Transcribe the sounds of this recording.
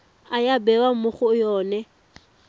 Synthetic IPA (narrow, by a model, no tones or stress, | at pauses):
ajabɛwamʊχʊjɔːnɛ